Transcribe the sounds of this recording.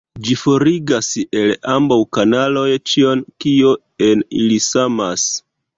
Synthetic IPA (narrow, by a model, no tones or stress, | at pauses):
d͡ʒifo̞ɾiɡase̞lambawkanalo̞jt͡ʃio̞nkio̞ | e̞nḭlisamas